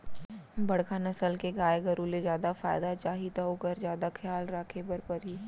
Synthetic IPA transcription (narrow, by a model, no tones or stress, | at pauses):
bɐɽkʰanɐsəlkeɡaːjeɡɐɾulezjaːd̪afa̰ːɪd̪at͡ʃaːɦit̪aokəɾzjaːd̪akʰjaːlɾaːkʰebəɾpɐɾɦiː